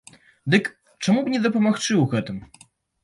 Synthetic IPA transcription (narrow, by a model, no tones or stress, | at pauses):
d̪ɘk | t͡ʂɛmubɲɛd̪ɔpɔmaxt͡ʂɨwɣɛt̪ɘm